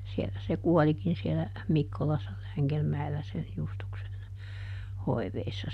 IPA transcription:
sielæ se kuɔlikin sielæ mikːolɑsːɑ læŋɡelmæelːæ sen justuksen hoiʋeisːɑ

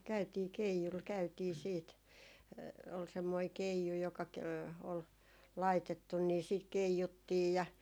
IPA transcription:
kæytiː keijul kæytiː siːt ol semːoi keiju jokɑ ke ol lɑitetːun ni siːt keijutːiːj jɑ

